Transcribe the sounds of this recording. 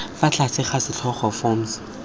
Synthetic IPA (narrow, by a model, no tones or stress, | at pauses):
fat͡ɬʰasʰɪχasɪt͡ɬʰɔχɔfɔm̩s